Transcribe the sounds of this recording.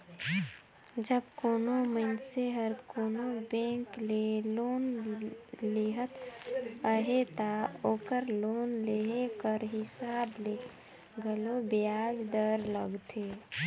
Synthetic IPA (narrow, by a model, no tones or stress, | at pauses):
d͡ʒəbkoːnomənseɦəɾkonobẽŋklelon | leɦət̪əɦet̪aokəɾlonleɦekəɾɦisable | ɡəlobijad͡ʒd̪əɾləɡt̪ʰe